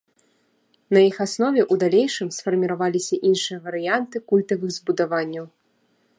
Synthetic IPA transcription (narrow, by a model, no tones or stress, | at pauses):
nɐjixasnɔvʲɛʔud̪alʲejʂɨmsfɐrmʲiɾavalʲisʲɐʔinʂɨjɐvɐɾɨjant̪ɨkulʲt̪ɐvɨɣzbud̪avanʲːɐw